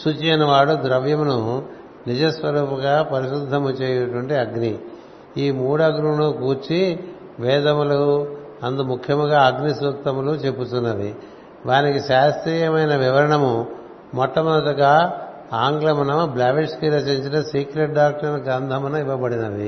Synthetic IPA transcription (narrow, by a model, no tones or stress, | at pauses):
sut͡ʃenɐʋaːɽud̪ɾɐʋjɐmunu | nid͡ʒɐsʋɐɾuːpɐɡaːpɐɾiʃud̪ʱːɐmut͡ʃeːjɛnɐʈʋɐɳʈiɐɡni | iːmuːɽɐɡɾunukuːt͡ʃi | ʋɛːd̪ɐmulu | ɐnd̪umukʰjɐmuɡaːɐɡnisukt̪ɐmulut͡ʃe̞pːut̪unːɐʋḭ | ʋaːnikiʃaːst̪ɾiːjɐmɐjnɐʋiʋɐɾɐɳɐmu | mɔt̪ːɐmɐnɐt̪ɐɡaː | aːŋɡlɐmɐnɐblaːʋiʂkiɾɐt͡ʃeɲt͡ʃinɐsiːkɾeʈ̚ɖaːk̚ʈɐnɐɡɐnd̪ʱɐmɐnɐiʋɐbɐɽinɐʋḭ